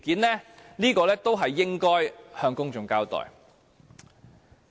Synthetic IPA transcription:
kiː˨˥nlɛː˥niː˥kɔː˧lɛː˥t̪o˥wɦɐ˨jːɪ˥ŋkɔː˥jhœː˧ŋkʊ˥ŋt͡ʃʊ˧ŋkaː˥wt̪ɔ̰ː˨˩j

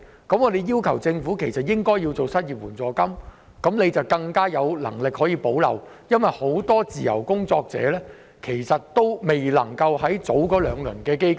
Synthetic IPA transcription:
kɐ˨˥mɔ˨˧d̪e˨jiː˥wkʰɐ˨˩wt͡sɪ˧ŋfuː˨˥kʰe˨˩jsɐ˨t̚jɪ˥ŋkɔː˥ji˧wt͡so˨wsɐ˥t̚jiː˨p̚wuː˨˩nt͡sɔː˨˩kɐ˥m | kɐ˨˥mne˨˧jt͡sɐ˨wkɐ˧ŋkaː˥jɐ˨˧wlɐ̰˨˩ŋlɪ˨k̚hɔː˨˥jiː˨˧po˨˥wlɐ̰˨˩w | jɐ˥nwɐ˨jho˨˥wt̪ɔː˥t͡siː˨jɐ̰˨˩wkʊ˥ŋt͡sɔː˧k̚t͡sɛ̰ː˨˥lɛː˥ | kʰe˨˩jsɐ˨t̚t̪o˥wme˨˩jlɐ̰˨˩ŋkɐ˧whɐ˨˥jt͡so˨˥wkɔː˨˧˥lœː˨˧ŋlɵ̰˨˩nkɛː˧ke˥jk

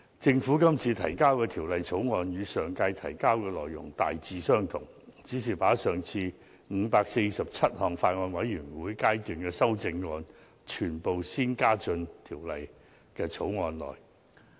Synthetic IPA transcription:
t͡sɪ˧ŋfuː˨˥kɐ˥mt͡sʰiː˧t̪ʰɐ˨˩jkaː˥wkɛː˧t̪ʰiː˨˩wlɐ˨jt͡sʰo˨˥wŋɔː˧njyː˨˧sœː˨˩ŋka˧jt̪ʰɐ˨˩jkaː˥wkɛː˧lɔː˨jːʊ̰˨˩ŋt̪a̰ː˨jt͡siː˨˧sœː˥ŋt̪ʰʊ̰˨˩ŋ | t͡siː˨˥siː˨˩paː˨˥sœː˨˩ŋt͡sʰiː˧ | ŋ̩ː˨˧paː˧k̚se˧jsɐ˨p̚t͡sʰɐ˥t̚hɔː˨ŋfaː˧t̚ŋɔː˧nwɐ˨˥jːyː˨˩nwuː˨˥jkaː˥jt̪yː˨˩nkɛː˧sɐ˥wt͡sɪ˧ŋːɔː˧n | t͡ʃʰyː˨˩npo˨wsiː˥nkaː˥t͡sɵ˧nt̪ʰiː˨˩wlɐ˨j | kɛː˧t͡sʰo˨˥wŋɔː˧nlɔ̰ː˨j

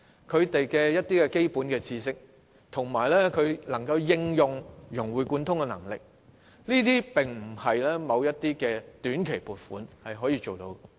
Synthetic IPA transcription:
kʰɵ˨˧ɥt̪e˨jkɛː˧jɐ˥t̚t̪iː˥kɛ˧ke˥jpuː˨˥nkɛː˧t͡sʰiː˧sɪ˥k̚ | t̪ʰʊ˨˩ŋmaː˨˩jlɛː˥kʰɵ˨˧ɥlɐ˨˩ŋkɐ˧wjɪ˧ŋjʊ˨ŋjʊ˨˩ŋwuː˨˩jkuː˧nt̪ʰʊ˥ŋkɛ˧nɐ̰˨˩ŋlɪ˨k̚ | liː˥t̪̬iː˥pɪ˨˩ŋm̩˨˩hɐ˨jlɛː˥mɐ˨˧wjɐ˥t̚t̪iː˥kɛː˧t̪yː˨˥nkʰe˨˩jpuː˨˩t̚fuː˨˥nhɐ˨jɦɔː˨˥jiː˧t͡ʃo˨wt̪o˨˧w

